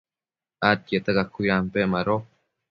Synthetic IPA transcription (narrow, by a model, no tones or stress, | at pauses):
at̪̚jet̪akakujampemaɾo